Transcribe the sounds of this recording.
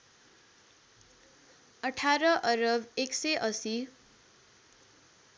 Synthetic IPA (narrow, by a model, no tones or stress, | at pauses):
ʌʈʰaɾʌʔʌɾʌbeksʌjʔʌsi